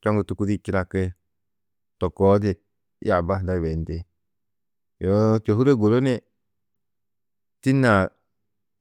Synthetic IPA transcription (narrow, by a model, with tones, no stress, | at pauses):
t͡ʃo˦ŋɡu˨tu˨ku˦di˦ki˦ɾa˧ke˦ | to˨ko˨˦de˨˦ | a˨ba˦da˦˨we˨n˦te˦ | jo˦to˨hu˦ɾe˦ɡo˨ɾo˦ne˦ | ti˦na˨